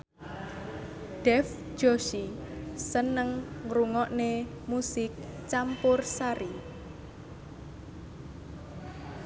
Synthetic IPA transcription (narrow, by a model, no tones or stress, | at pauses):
ɖ̥ɛf | d̥ʒ̥oʃisənəŋɾuŋɔʔne | musɪk̚t͡ʃampʊrsaɾi